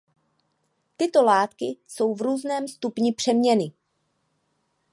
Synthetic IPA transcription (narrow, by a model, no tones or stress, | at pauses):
t̪ɪt̪o̞laːt̪kɪso̞wvɾuːznɛːmst̪upɲɪpr̥ɛmɲɛnɪ